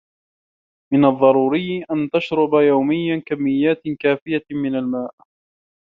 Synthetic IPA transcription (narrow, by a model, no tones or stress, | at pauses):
mɪnɑðˤːɑɾˤuːɾɪjːʔant̪aʃɾʊbajawmɪjːankamːɪjːaːt̪kaːfɪjamɪnalmaːʔ